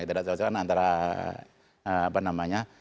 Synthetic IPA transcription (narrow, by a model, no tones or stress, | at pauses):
kit̪adaʔsasakanːnt̪aɾa | panamaɲa